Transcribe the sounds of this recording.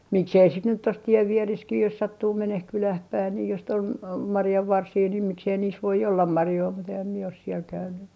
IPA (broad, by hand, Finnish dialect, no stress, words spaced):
miksei sit nyt tos tieʋ ʋiereskih jos sɑtːuː meneh kylæh pæin niː jos sit ol mɑrjɑʋːɑrsiː niːm miksei niːs ʋoi olːɑm mɑrjoi mut ehæm mie os siel kæynˑy